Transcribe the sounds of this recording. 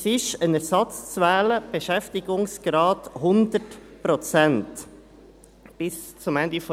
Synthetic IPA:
sɪʃənɛɾsɑt͡st͡svæːləb̥eʃɛftiɡʊŋsɡ̥ɾɑːthʊnd̪ətpɾɔt͡sɛnt | b̥ɪst͡sʊmɛnd̪ifɔ

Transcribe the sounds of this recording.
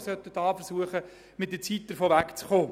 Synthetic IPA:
sœt̪ːədɑːfəɾsuəχə | mɪt̚dət͡sit̚d̥əɾfoːʋækt͡sχoː

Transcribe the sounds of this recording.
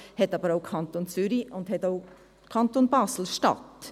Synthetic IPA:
hɛtɑːbəɾaʊkʰɑntont͡syɾiʊndhɛtaʊ | kʰɑntoːnbɑːsl̩ʃtɑ̰t

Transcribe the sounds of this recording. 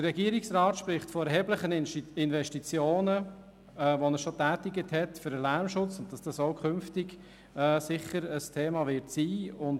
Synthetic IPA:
d̥ərɛɡiəɾɪksrɑːtʃpɾɪχtfɔɛɾɦɛːbləχənɪnvɛʃtit͡sjoːnə | ɛːʋonəʃotæːtɪɡəthɛtfʏɾəlæmʃʊt͡sʊnt̚d̥ɑsd̥ɑsoʊkʰʏnftɪɡ | ɛːsɪχəɾəstʰeːmɑvɪtsiːʊn

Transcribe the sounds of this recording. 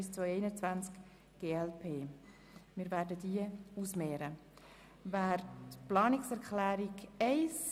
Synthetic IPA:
ɪst͡svojɛɪnət͡svant͡sk | ɡ̥eːɛlpʰeː | mɪːɾvæːɾdədiəusmeːɾə | væːɾtplɑːnɪksɛɾkχlæːɾiɡɛɪs

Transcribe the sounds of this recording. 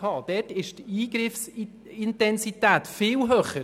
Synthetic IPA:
ɑːd̥ɛːtɪʃtiːɡɾɪfs | ɪntɛnsitæːtfɪːlɦœːχə

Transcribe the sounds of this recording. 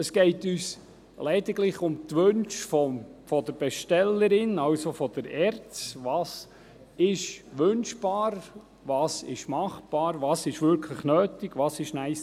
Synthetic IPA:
əsɡ̥ɛɪtyːs | lɛd̪ɪɡlɪχʊmt̪ʋønʃfɔfɔd̪əɾb̥ɛʃtɛlːəɾɪnɑwsofɔd̪̥əɾɛɾt͡sʋɑːs | ɪʃʋʏnʃb̥ɑːɾ | ʋɑːsɪ̰ʃmɑχb̥ɑːɾʋɑːsɪʃʋʏɾkʰləχnøːtɪɡ̥ʋɑːsɪʃnæɪs

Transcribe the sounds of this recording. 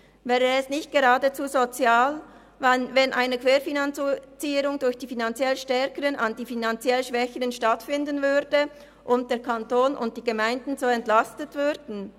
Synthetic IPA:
vɛːʁəɛsnɪçt̚ɡ̥eʁɑːdət͡suːzot͡sjaːl | vanvɛnʔaɪnəkv̥eːɾfinant͡st͡siːəɾʊŋdʊɾçd̥iːfinant͡sjɛlʃtɛɐkəʁənandiːfinant͡sjɛlʃv̥ɛçəʁənʃtatfɪndənvʏɾdə | ʔʊnt̚d̥eːɐʁkʰantoːnʔʊ̰nt̚d̥iːɡemaɪndn̩zoːɛntlastətv̥ʏɾdn̩

